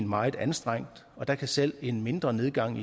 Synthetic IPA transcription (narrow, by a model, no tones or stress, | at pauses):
nmɑ̈ɪð̩ˠænsd̥ʁaŋ̰d̥ | ɒ̽d̥æ̈kʰæsel̰e̝nme̝nd̥ʁɐne̝ð̞ˠɡ̥ɑ̈ŋ̰i